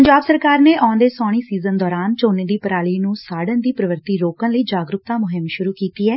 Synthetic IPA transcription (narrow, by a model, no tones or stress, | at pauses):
əɲd͡ʒaːbsəɾkaːɾneːʔãːnd̪eːsɔːɽ̃iːsiːzənd̪ɔːɾaːnt͡ʃoːneːd̪iːpəɾaːɭiːnũːsaːɖənd̪iːpɾəʋəɾt̪iːɾoːkãːləiːd͡ʒaːɡɾʊk̚t̪ãːmʊɦɪmʃʊɾuːkiːt̪iːɛː